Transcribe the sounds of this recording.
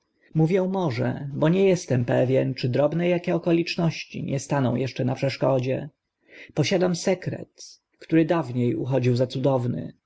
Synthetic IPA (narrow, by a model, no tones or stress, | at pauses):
muvʲjɛw̃mɔʐɛ̰bɔɲɛjɛst̪ɛmpɛvʲjɛnt͡ʂɘd̪ɾɔbnɛjakʲɛɔkɔlʲit͡ʂnɔɕt͡ɕḭɲɛst̪anɔ̃w̃jɛʂt͡ʂɛnapʂɛʂkɔd͡ʑɛ | pɔɕad̪amsɛkɾɛ̰t̪ | kt̪uɾɘd̪avɲejṵxɔd͡ʑiwzat̪sud̪ɔvnɘ̰